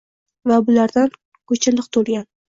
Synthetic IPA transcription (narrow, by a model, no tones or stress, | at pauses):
vabʊlaɾd̪an | kʰɵt͡ʃʰɪlɪqt̪ʰolˠɡʲan